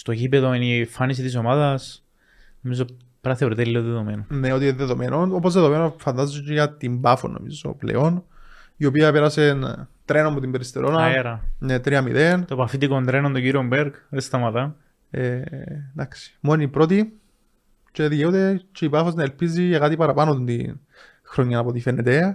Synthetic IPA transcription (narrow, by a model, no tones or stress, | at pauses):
st̪o̞ʝipeðoinifanis̬it̪is̬o̞maðɐs | nomizo | pɾɐθe̞ɾit̪eliloðeðo̞menoneo̞t̪iðeðo̞mʔe̞nʔonopozðeðoenofɐnd̪ɐzut͡ʃejɐt̪imbɐfo̰nʔo̰mḭzo̞̰plḛo̞n | iopiɐpeɾɐse̞nt̪ɾe̞noɐpot̪imbeɾist̪eɾʔo̞nɐeɾɐnet̪ɾiɐmḭðent̪opɐfit̪ikont̪ɾenond̪oɲɟiɾiombeɾkɾest̪ɐmɐt̪ɐ | ed̪ɐksi̥mo̞nipɾo̞t̪i | t͡ʃe̞ðjeod̪et͡ʃeipɐfoznɐelpiziekat̪ipɐɾɐpɐanot̪nt̪ḭn | xɾoɲːɐnɐpo̞t̪ifenːet̪e̞